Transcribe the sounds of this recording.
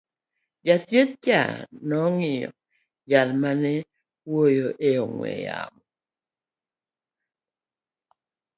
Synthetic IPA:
d͡ʒatjet̚t͡ʃa̰nɔŋɪjɔ̰ | jalmanɛ | wojoʔeoŋwɛ̰ja̰mɔ

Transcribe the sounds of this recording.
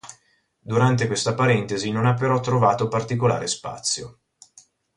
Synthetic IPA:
d̪uɾant̪ekwest̪apaɾɛnt̪ezinonapːeɾɔt̪ːɾovaːt̪opart̪ikola̰ːɾespa̰t̪sːjo

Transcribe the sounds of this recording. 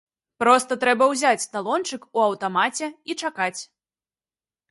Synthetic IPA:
pɾɔst̪ɐt̪ɾɛbɐwzʲat͡sʲst̪alˠɔnt͡ʂɨkuɐwt̪amat͡sʲɛit͡ʂakat͡sʲ

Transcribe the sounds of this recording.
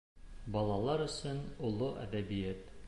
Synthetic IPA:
bɒlˠɑlˠɑɾɵ̆sɵnulˠoʔæ̰d̪æbijæt̪

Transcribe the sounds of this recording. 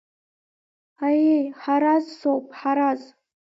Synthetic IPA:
ajejħaɾazsowpʼħaɾaz

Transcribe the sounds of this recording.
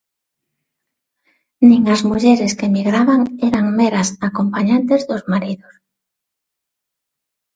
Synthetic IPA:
nĩŋazmuʎeɾeskemiɣɾaβaŋɛɾaŋmeɾasakompaɲant̪ezðʊzmaɾiðʊs

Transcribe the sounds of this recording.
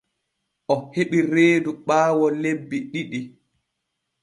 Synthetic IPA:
ʔɔheɓiɾeːduɓaːwɔlebːiɗiɗi

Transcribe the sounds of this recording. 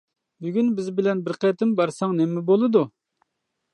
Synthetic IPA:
byɡʲynbɪzbɪlɛnbɪɾqʰɛt̪ɪmbɑɾsɑŋnɛmːɪbolˠɨd̪u

